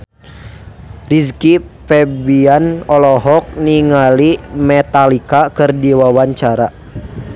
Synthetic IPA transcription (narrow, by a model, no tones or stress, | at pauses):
riskipɛbianɔlɔɦɔk̚niŋalimɛt̪alikakɨrdiwawaɲt͡ʃaɾa